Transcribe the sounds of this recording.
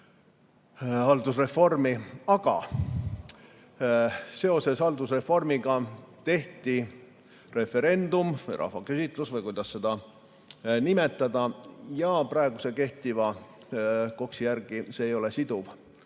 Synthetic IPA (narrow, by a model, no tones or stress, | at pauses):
hɑld̪usre̞fo̞rmiɑɡ̥ɑ̰ | se̞o̞se̞sɑld̪usre̞fo̞rmiɡ̥ɑt̪e̞ht̪i | re̞fe̞ɾe̞nd̪̥umvɤjrʔɑ̰hvɑkesit̪ˑlusvɤjkujd̪̥ɑsːe̞d̪̥ɑ | nimet̪ˑːɑd̪̥ɑjɑprɑe̞ɡ̥use̞ke̞ht̪ivɑ | ko̞ksijærɡ̥iseːjo̞le̞sid̪uv